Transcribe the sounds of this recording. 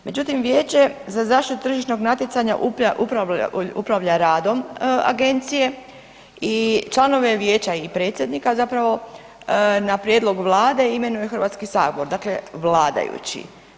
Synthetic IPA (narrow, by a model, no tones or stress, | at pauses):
me̞d͡ʒut̪imʋje̞ːt͡ɕe̞zazaːʃt̪it̪ut̪r̩ʒiʃno̞ɡnat̪jet̪saɲa̰ʔupʔupɾaṵpɾaʋʎaɾaːd̪o̞ma̰ɡe̞nt̪sije̞ | it͡ʃlˠano̞ʋe̞ʋje̞ːt͡ɕaipɾet̪sʲje̞d̪nikazapɾaʋo̞ | napɾje̞d̪lˠo̞ɡʋlˠaːd̪e̞ime̞nujexrɾʋaːt̪skisaːɡooɾd̪akle̞ʋlˠaːd̪a̰jṵt͡ɕḭ